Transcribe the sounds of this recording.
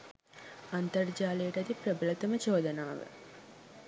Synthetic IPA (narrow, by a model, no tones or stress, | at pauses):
ɐnt̪ɐrd͡ʒaːleːʈɐt̪iprəbəlɐt̪ɐmət͡ʃoːd̪ɐnaːʋə̰